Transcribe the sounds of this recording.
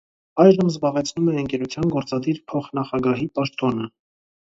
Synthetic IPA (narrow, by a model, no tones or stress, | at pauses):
ɑjʒəmzbɑʁɛt͡sʰnumɛəŋkɛɾut͡sʰjɑnɡɔɾt͡sɑd̪iɾpʰɔχnɑχɑɡɑɦipɑʃt̪ɔnə